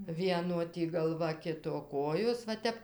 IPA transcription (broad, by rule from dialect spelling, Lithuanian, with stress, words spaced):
ˈʋʲiɛnoː ˈtʲiː ɡɐlˠˈʋɐ ˈkʲɪtoː ˈkoːjoːs ʋɐ ˈtʲɛp